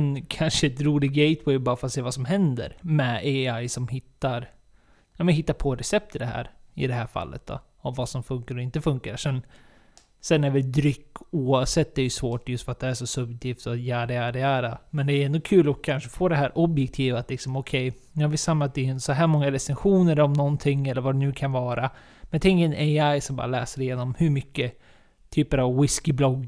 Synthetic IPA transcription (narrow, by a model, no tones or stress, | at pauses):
nkʰanʂəɛt̪ɾuːlɪɡɡɛɪt̪wɛjbɑːɾafɾat̪seːvasɔmɦɛnd̪ə̰ɾmɛeajsɔmhɪt̪ːaɾ | jɑmɛnɦɪt̪ːapʰɔɾɛsɛp̚t̪ʰɪd̪ɛɦæ̰ːɾɪ̰d̪ɛɦæːɾfa̰lːə̰t̪̚d̪ɔ̰ | ɔmvasɔmfɵŋkaɾɔɪnt̪əfɵŋkaɾʂɛn | sɛnːæɾvɪld̪ɾʏkːuːavsɛt̪ːd̪ɛæɾjɵsvoːʈjɵst̪fœɾat̪̚d̪ɛæʂɔsɵbjk̚t̪ʰɪːft̪ɔjæːɖ̪ɛæɖ̪ɛæːɾamɛnd̪ɛːjɵɛnd̪ɔkʰʉ̟ːlɔkʰːanʂə̥foːd̪ɛɦæːɾʔɔbjɛk̚t̪ʰiːvat̪lɪksɔmɔkʰɛj | jɑːvɪst̪samːat̪ɛnsɔɦæːɾmɔŋːaɾɛsɛnɧuːnəɾɔmnɔnt̪ʰɪŋːɛlːəɾvadɛnʉ̟ːkʰanvɑːɾa | mɛnt̪ʰɛŋkɛneajsɔmbɑ̰ːɾalɛ̰ːsəɖɛɪjeːnɔmhɵɾmʏkːə | t̪ʰyːpəɾavwɪskɪblɔɡː